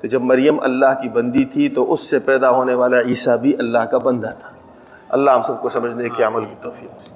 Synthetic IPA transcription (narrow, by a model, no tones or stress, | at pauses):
t̪od͡ʒɐbmɐɾjəmɐ̰lːaːɦkibɐ̃nd̪it̪ʰit̪oʔʊsːepɛːd̪aɦoːneʋaːlaiːsabʱiʔɐlːaɦkabɐ̃nd̪at̪ʰḁː | ɐ̰lːaɦɐmsɐb̚kosɐməd͡ʒʱnekeɐməlkit̪oːfiːks